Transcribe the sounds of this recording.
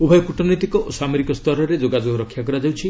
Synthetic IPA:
ubʱɔjɔkuʈɔnɔjt̪ikɔʔosameɾikɔst̪ʰɔɾɔɾed͡ʒoɡad͡ʒoɡɔɾɔkʰːjakɔɾad͡ʒawt͡ʃʰi

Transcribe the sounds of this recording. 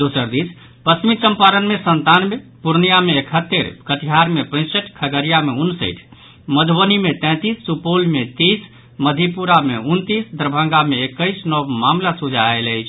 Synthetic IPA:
d̪osəɾd̪is | pəsmit͡ʃəmpaɾənmesənt̪anmepuɾnijameːkʰət̪ːeɾkət̪iɦaɾmepə̃ɪ̃səʈʰkʰəɡəɾijameunːsə̰ɪʈʰ | məd̪ʱbənimet̪ɛ̃t̪isːupolmet̪is | məd̪ʱipuɾameunt̪isd̪əɾbʱə̃ŋɡameekːəɪsnɔbmamlasud͡ʒʱaeləjt͡ʃʰ

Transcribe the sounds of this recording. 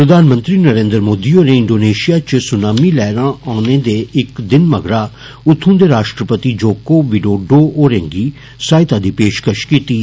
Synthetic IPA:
pɾəd̪aːnmənt̪ɾiːnəɾẽːnd̪əɾmoːd̪iːoːneːɪɳɖoːneːʃijaːt͡ʃsʊnaːmiːlɛːɾãːɔːneːd̪eːɪkd̪ɪnməɡɽaː | ʊt̪ʰːũːd̪eːɾaːʃʈɾəpət̪iːd͡ʒoːkoːʋiɖoːɖoːoːɾɛ̃ːŋɡiː | saːɪt̪aːd̪iːpeːʃkəʃkiːt̪iː

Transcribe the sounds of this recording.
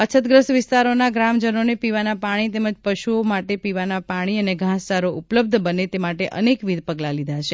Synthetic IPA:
ət͡ʃʰət̪̚ɡɾəsʋɪst̪aɾonaɡɾamd͡ʒənonepiʋanapaɽ̃it̪eməd͡ʒpəʃuomaʈepiʋanapaɽ̃iəneɡʱãstaɾoʔupləb̚d̪ʱbənet̪emaʈeʔə̰nekʋid̪̚ʱpəɡlalid̪ʱaʃe

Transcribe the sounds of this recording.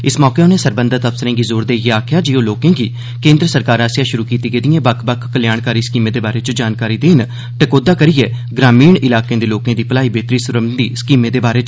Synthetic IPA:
ɪsmɔːkeːneːsəɾbə̃nd̪əɾt̪əpsəɾẽːɡiːzoːɾd̪eːjeːaːkʰɪjaːd͡ʒiːõːloːkẽːɡiː | kẽːnd̪ɾəsəɾkaːɾaːsɪjaːʃʊɾuːkiːt̪iːɡeːd̪iːẽːbəkʰbəkʰːəljaːɳkaːɾiːskiːmẽːd̪eːbaːɾeːt͡ʃod͡ʒaːnkaːɾiːd̪eːn | ʈəkoːd̪aːkəɾieː | ɡɾaːmiːɳɪlaːkẽːd̪eːloːkẽːd̪iːpəlaːiːbeːt̪ɾiːsʊɾəmd̪iːskiːmẽːd̪eːbaːɾeːt͡ʃ

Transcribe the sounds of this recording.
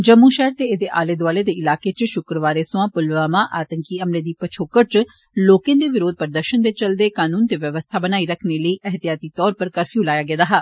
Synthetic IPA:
d͡ʒəmːuːʃɛːəɾt̪eːed̪eːʔa̰ːleːd̪ʊaːleːd̪eːɪlaːkeːt͡ʃʃʊkɾəʋaːɾeːsʊãːpʊlʋaːmaːʔaːt̪əŋkiːəmleːd̪iːpət͡ʃʰoːkət͡ʃ | loːkẽnd̪eːʋɪɾoːd̪̚pəɾd̪əɾʃənd̪eːt͡ʃəld̪eːkaːnuːnt̪eːʋjəʋəst̪ʰaːbənaːiːɾəkʰneːləiːʔɛɦət̪ɪjaːt̪iːt̪ɔːɾpəɾkəɾfʰiːulaːjaːɡeːd̪aːɦaː

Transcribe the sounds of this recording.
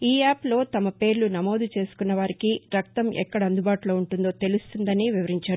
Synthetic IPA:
iːaːplo̞ːt̪ɐmɐpe̞ːɾlunɐmo̞ːd̪ut͡ʃe̞ːsu̥kunːɐʋaːɾikiɾɐk̚t̪ɐmʔɛ̰kːɐɽɐɐnd̪ubaːʈulo̞ːuɳʈund̪o̞ːt̪e̞lust̪und̪ɐniʋiʋɐɾiɲt͡ʃaːɾuu

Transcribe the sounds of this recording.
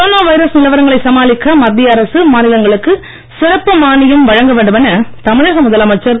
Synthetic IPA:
kɔɾoːnaːʋɐɪɾɐsnɪlɐʋɐɾɐŋɡɐɭɐɪsɐmaːlɪkːɐmɐd̪ːɪɐɾɐsɯmaːnɪlɐŋɡɐɭɯkːɯ | sɪɾɐpːɯmaːɳɪjɯmʋɐɻɐŋɡɐʋeːɳɖɯmɛnːɐt̪ɐmɪɻɐɣɐmʊðɐlaːmɐt͡ʃːɐɾ

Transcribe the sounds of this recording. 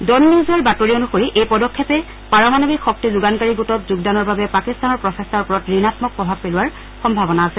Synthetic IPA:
dɔnːizɔɹbatoɹionuxoɹiʔejpɔdɔkʰːɛpɛ | paɹɔmanobikxɔk̚tizuɡankaɹiɡutɔtzuɡdanɔɹbabɛpakistanɔɹpɹɔsestaɹpɔɹɔtɹinatmɔk̚pɹɔbʱab̚pelʊwaɹ | xɔmbʱabɔnaːsɛ

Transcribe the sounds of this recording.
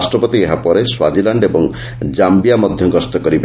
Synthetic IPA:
sʈɾɔpɔt̪ieɦapɔɾeswad͡ʒilaɳɖebɔŋ | d͡ʒambijamɔd̪ʱjɔɡɔst̪ɔkɔɾib

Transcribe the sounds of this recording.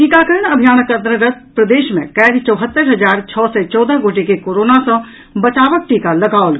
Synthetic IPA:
ʈiːkaːkəɾəɳəbʱjaːnəkə̃nt̪ɾəɡət̪̚pɾəd̪eːʃmḛ̃kɛːɾit͡ʃɔːɦət̪ːəɾɦɐd͡ʒaːɾt͡ʃʰɔːsɛt͡ʃɔːd̪əɡoːʈekekoːɾoːnasə̃ | bɐt͡ʃaːʋək̚ʈiːkalɐɡaːʋlɡ

